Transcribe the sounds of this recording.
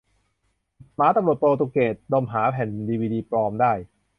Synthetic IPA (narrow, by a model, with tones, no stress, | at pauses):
maː˨˦˥t̪a˧mɾu˨˩ət̪poː˧t̪u˧keː˨˩t̪̚dɔ˧˩mɦaː˩˦pʰɛ˨˩ndiː˧wiː˧diː˧pɾɔː˧mdaː˥˩j